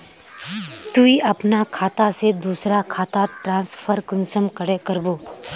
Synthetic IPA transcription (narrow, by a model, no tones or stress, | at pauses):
t̪uiɐpnakʰaːt̪ased̪uːsɾakʰaːt̪aʈɾãːnspʰəɾkənsəmkəɽekəɾboː